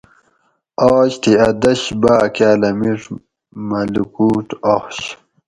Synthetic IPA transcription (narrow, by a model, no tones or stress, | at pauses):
aːɕt̪ʰiɐd̪ɐɕbaːkjaːlɐmiʂ | mɐlukuːʈoχɕ